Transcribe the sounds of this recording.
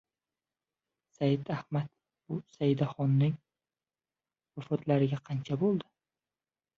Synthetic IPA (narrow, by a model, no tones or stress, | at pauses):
sajɪd̪ahmat̪ | b̥ʊsajɪd̪aχɒnːɪŋ | vafɒt̪ʰlaɾɪɡʲaqʰɑnt͡ʃʰabolˠd̪ɪ